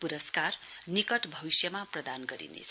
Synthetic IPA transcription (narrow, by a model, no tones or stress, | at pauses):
puɾʌskarnikʌʈbʱʌbisjʌmaprʌd̪anɡʌɾḭnḛt͡sʰ